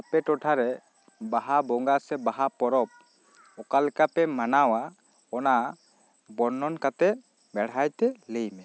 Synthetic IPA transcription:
apɛʈɔʈʰaɾɛ | baɦabɔŋɡasɛbaɦapɔɾɔp̚ | ɔkalɛkapɛmanawa | ɔna | bɔɾnɔnkat̪ɛ | bɛɽajt̪ɛləjmɛ

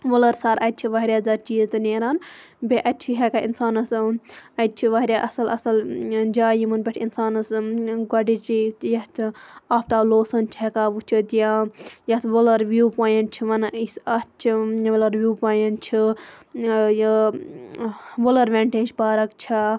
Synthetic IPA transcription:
ʋolɐɾsaɾʔɐt̪̚t͡ʃʰiʋɐɦɾʲjaːd͡zɐt͡ʃiːzt̪ɨneːɾaːnbeʔɐt̪t͡ʃʰiɦekaḭnsaːnɐsɐt̪̚t͡ʃʰiʋɐɦɾʲjaʔɐsɐlɐsɐld͡ʒaːjimunbʲeʈʰinsaːnɐsɡɐɖit͡ʃit̪jɐt̪ʰaːpt̪aloːsɐnt͡ʃʰɦekaːʋut͡ʃʰit̪ijajɐt̪ʰʋolɐɾʋjuːpaːjenʈ̚t͡ʃʰiʋɐnisɐst͡ʃʰiʋɐlɐɾʋjuːpaːjenʈ̚t͡ʃʰi | j | ʋolɐɾʋʲeɳʈeːd͡ʒbaːɾɐkt͡ʃʰi

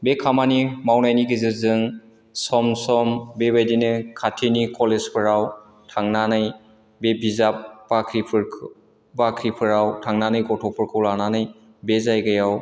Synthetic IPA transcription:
bekʰamanimawnajniɡɯzɯɾzɯŋ | sɔmsɔmbebajdinɯkʰatʰinikɔlezpʰɯɾaw | tʰaŋnanɯj | bebʱizap̚bakʰɾipʰɯɾ | bakʰɾipʰɯɾawtʰaŋnanɯjɡɔtʰɔpʰɯɾkʰɯwlananɯj | bezajɡɯjaw

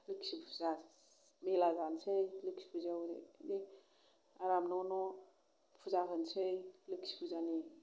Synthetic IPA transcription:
lɯksipʰuza | melazansɯjlɯksi̥pʰuzawɾḛdi | aɾamnɔnɔ | pʰuzakʰɯnsɯjlɯksi̥pʰuzani

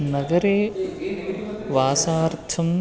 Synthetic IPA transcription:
nɐɡɐɾeː | ʋaːsaːɾt̪ʰɐm

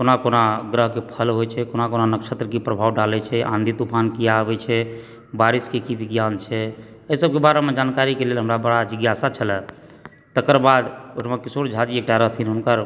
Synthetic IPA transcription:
konakonaɡɾəɦkepʰəlɦojt͡ʃʰɛkonakonanəkʃət̪ɾəkipɾəbʱawɖalɛt͡ʃʰɛʔã̰nd̪ʱit̪upʰankijabɛt͡ʃʰɛ | baɾiskekibiɡjant͡ʃʰɛ | əisəb̚kebaɾemed͡ʒankaɾikelelɦəmɾabəɽad͡ʒiɡjasat͡ʃʰəlɛ | t̪əkəɾbad̪oʈmekisoɽd͡ʒʱad͡ʒiek̚ʈaɾəɦt̪ʰinunkəɾ

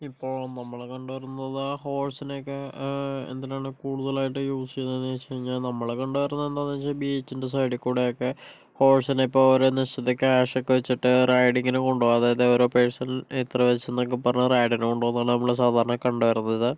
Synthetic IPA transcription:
ipːo̞ːɭnɐmːɐɭekɐɳɖɨʋɐrunːɐðɨho̞ːɭsinekːeḛnd̪ɐnejaːɳɨkuːɽuðɐlaːjiʈːɨjuːsikʲːunːenːet͡ɕeɻiɲːalnɐmːɐɭekɐɳɖɨʋɐɾɐnːɐend̪aːnːit͡ɕːalbiet͡ɕːindes̬ɐjɽikːuːɽejokːe | ho̞ːɭsineipːoːɭoɾuniɕɐt̪ːekʲːɨaːʂɐkːɨʋet͡ɕːiʈːɨrɐjɖiŋɡinɨkoɳɖuʋoɐðaːjɐðeoɾopeɻsɐnet̪rɐʋɐt͡ɕːenːokːepːɐrɐɲːurɐjɽinukoɳɖuʋɐnːaːɭɨnɐmːɐɭes̬aːd̪ʱaːɾɐɳɐkɐɳɖɨʋɐɾunːɐɐðɨ

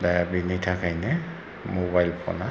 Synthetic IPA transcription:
dajabinitʰakajnɛ | mobajlpʰɔ̰na

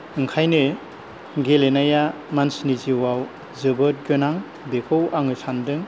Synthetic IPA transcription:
ɯŋkʰajnɯ | ɡelenaja | mansniziwaw | zɯbɯt̚ɡɯnaŋ | bekʰowʔaŋɯsandɯŋ

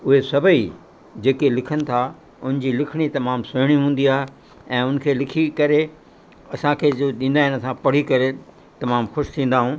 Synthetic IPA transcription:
ʊɦesɐbʱəi | d͡ʑeːkelɪkʰənɪ̆t̪ʰa | ʊnɪɲd͡ʑiːlɪkʰɪɽ̃it̪ɐmaːmsʊɦɪɽ̃iɦũːn̆d̪iaːɦe | ɛ̃ːʊn̆kʰeːlɪkʰikɐɾe | ɐsãkʰeːd͡ʑoɗĩːnd̪aːɦɪnsãpɐɽ̤ikɐɾe | t̪ɐmaːmxʊʃt̪ʰĩːn̆d̪aːɦũː

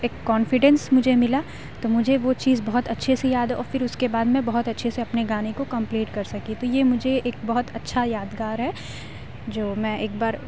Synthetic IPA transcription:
eːkːɔːnfɪɖɛ̃nsmʊd͡ʒʱemɪla | t̪omʊd͡ʒʱeʋot͡ʃiːzbɐɦɔt̪ɐtːʃʰesejaːd̪ɔ̰ːɾfɪɾʊskebaːd̪mɛ̃bɐɦʊt̪ɐtːʃʰeseɐpneɡaːnekokɐ̃mpliːʈkɐɾsɐkit̪ojemʊd͡ʒʱeeːk̚bɐɦʊt̪ɐtːʃʰajaːd̪ɡaːɾɦɛ | d͡ʒoːmɛ̃ːʔeːk̚baːɾ

